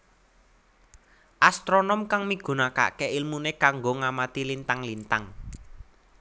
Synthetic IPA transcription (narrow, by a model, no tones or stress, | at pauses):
ʔast̪ɾonɔmkaŋmiɡ̥ṳnaka̰ʔkeʔilmunekaŋɡoŋamat̪ilint̪aŋlint̪aŋ